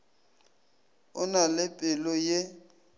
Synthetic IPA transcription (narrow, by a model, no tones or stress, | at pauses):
ʊnalɪpʼɪlɔje